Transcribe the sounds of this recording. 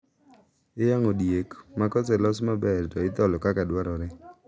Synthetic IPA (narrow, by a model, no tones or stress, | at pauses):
ɪjaŋodjekmakɔsɛlɔsmabɛrtɔɪt̪ɔlɔkakadwaɾɔɾɪ